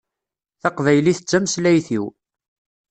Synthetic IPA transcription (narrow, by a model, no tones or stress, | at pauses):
θɑqvæjliθət͡sːæməslæjθiw